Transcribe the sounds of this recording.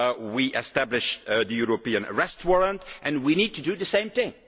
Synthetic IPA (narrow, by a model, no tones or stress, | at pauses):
wiʔɛstæblɪʃðɨjuɹopiə̃nə̰ɹɛst̚wɔɹə̃ntʔɨ̃nwinid̚tudɨðəsẽɪ̃mθɪ̃ŋ